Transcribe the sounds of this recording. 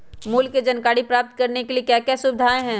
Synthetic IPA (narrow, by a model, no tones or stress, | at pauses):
muːlkːed͡ʒɐnkaːɽipɾaːp̚t̪kɐɾnekeliekjaːkɛːsʊbɪd̪ʱaːẽɦɛ̃ː